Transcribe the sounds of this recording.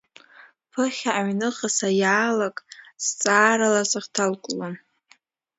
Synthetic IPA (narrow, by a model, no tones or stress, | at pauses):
pʰɨχʲaːɥnɨχasajaːlakʼst͡sʼaːɾalazaχtʰalkʷʼlon